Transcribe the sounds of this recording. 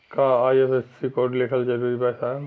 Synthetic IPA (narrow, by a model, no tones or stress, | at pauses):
kaːjesessikoʈlekʰəld͡ʒɐɾuːɾipɛsa